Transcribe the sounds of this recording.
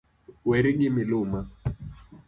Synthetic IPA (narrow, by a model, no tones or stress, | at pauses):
wɛɾiŋɪmɪlʊma